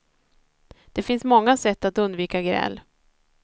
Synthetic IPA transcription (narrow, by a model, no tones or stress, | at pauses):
d̪̥ɛfɪnsmɔŋːasɛt̪ːat̪ɵnd̪viːkaɡɾɛ̰lː